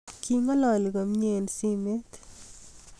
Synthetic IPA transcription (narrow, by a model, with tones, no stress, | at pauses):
kʰi˦ma˦lɔ˨lɡo˨mɲe˦˨lsi˦me˦t̪